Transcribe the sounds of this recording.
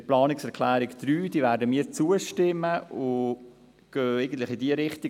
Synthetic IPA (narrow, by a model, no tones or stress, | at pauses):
plɑːnɪksɛɾkʰlæːɾɪkd̪̥ɾyːd̥iːvæːɾdəmiːɾt͡suəʃtɪməʔʊ | ɡ̥øːeɪɡən̩tləχidiəɾɪχt̪i